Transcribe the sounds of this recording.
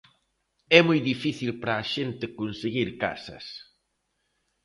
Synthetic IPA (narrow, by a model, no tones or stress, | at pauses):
ɛmojðifiθilpɾɐːʃent̪ɪkonseɣiɾka̰sɐ̰s